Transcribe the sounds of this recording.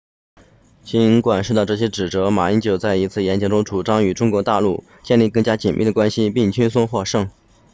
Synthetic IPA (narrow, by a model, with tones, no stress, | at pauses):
t͡ɕi˧˥nkwa˨˩nʂu˥˧t̪ɑ˥˧ʊʈ͡ʂɤ˥˩ɕ̬jɛ˥ʈ͡ʂɻ̩˨˩ʈ͡ʂɤ˧˥ma˨˩i˥nt͡ɕjo˨˩ʊt͡sa˥˩ɪi˧˥t͡sʰɹ̩˥˩jɛ˧˥nt͡ɕjɑ˧˥ŋʈ͡ʂʊ˥ŋʈ͡ʂu˨˩ʈ͡ʂɑ˥ŋy˨˩ʈ͡ʂʊ˥ŋkwɔ˧˥t̪a˥˧lu˥˩ | t͡ɕjɛ˥˧nli˥˩kɤ˥˩ŋt͡ɕja˥t͡ɕi˨˩nmʔi˥˩ə˩kwa˥nɕi˧pi˥˩ŋt͡ɕy˥nsʊ˥˧ŋxwɔ˥˧ʂɤ˥˩ŋ